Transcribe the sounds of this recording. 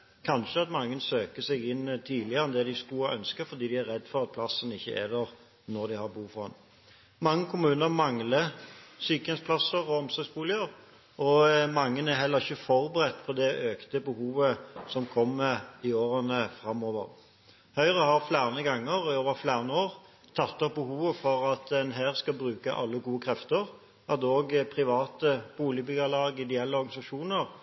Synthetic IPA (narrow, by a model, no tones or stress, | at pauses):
kʰɑnʃəɑt̪mɑŋːənsøːkəsɛɡɪnt̪ʰiːlɪəɛnd̪ɛd̪ɪsk̪uʔœnskəfɔɾd̪iːd̪ɪæɾɛd̪ːfɔʁɑt̪̚pʰlɑsənɪçːə̰ʔɛ̰d̪ɛʁ | nɔɾd̪ɪhɑbuːfɔhɑ̰n | mɑŋːəkʰʊmʉːnəɾmɑŋləsyːkəɛnspʰlɑsəʁɔɔmsɔɡsbuːlɪəɾ | ʔɔmɑŋːənæɾɦɛlːəɾɪçːəfɔɾbəɾɛt̪ːpʰɔd̪ɛʔøːkt̪əbəhuːʋəsɔmkʰɔmːəɪoːɾənəfɾɑmːoːʋə̰ʁ | hœʏʁəhɑʁflæːʁnəɡɑŋːəʁoːʋəɾflæːʁənəoːʁ | t̪ʰɑt̪ːɔp̚bəhuːʋəfɔɾɑt̪ɛnɦæːʁskɑbɾʉːkɑ̰ʔɑlːəɡuːəkʰɾɛft̪əʁ | ɑt̪oːɡpʰʁɪʋɑːt̪əb̥uːlɪbʏɡəlɑːɡɪd̪ɛɛlːəɔɾɡɑnɪsɑʂuːnəɾ